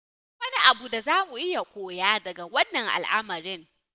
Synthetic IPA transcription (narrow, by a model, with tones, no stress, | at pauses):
wɐ˦ni˦ʔa˨bu˨da˨zaː˦mu˨ʔɪ˦ja˨kʷoː˨jaː˦dɐ˨ɡa˨wɐ˦nːɐ˨ŋʔa̰˨lʔa˦mɐ˨ɾɪ˦ŋ